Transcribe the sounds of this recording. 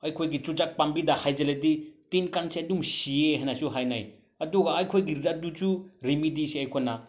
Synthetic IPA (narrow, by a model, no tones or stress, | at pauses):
ɐjkʰojɡit͡ʃud͡ʒak̚pambidahajd͡ʒeleditinkanseɐduŋsieɦajnasuɦajna̰j | ɐduɡaːjkʰojɡiɾɾadud͡ʒuɾimidisiɐjkʰojna